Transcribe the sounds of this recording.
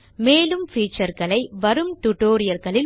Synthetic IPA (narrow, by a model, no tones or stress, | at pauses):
meːlɯmfiːt͡ʃːɐɾɣɐɭɐɪʋɐɾɯmt̪ʊʈːoːɾɪjɐɾɣɐɭɪl